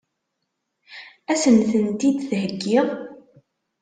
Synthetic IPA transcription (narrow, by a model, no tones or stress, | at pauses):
æsənθənt̪id̪θɦəɡːɪʁ